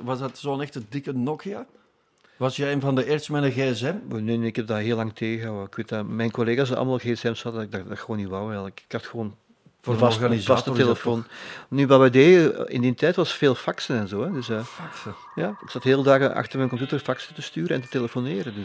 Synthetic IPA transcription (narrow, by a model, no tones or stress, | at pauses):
ʋɑsdɑtsoːənɛxtədɪkənɔkia | ʋɑsjɛeːnvɑndəeːrsmɛnəɣeɛsɛmneneɪkɛp̚daːɦeːlɑŋtʰeːɣəɣəɦawəɪkʋeːt̚amɛjnkoleːɣas̬əɑ̰lˠmalˠɣeːɛsɛmsɑtɪdadaxəʋoːniʋɑwɛlˠɪkkɑtxəʋoːn | fəvɑsɣanizvastəteləfoːnnyʋaʋɛdeːəɪ̰ndintɛjtʋɑsfeːlˠfɑksənɛnzoːɛdɵsəsə | jaːɪksɑtheːlˠədaːɣənɑ̰xtərmɛnkɔmpjutərfɑksətəstyːɾənɛntə̥teləfoneːɾədøs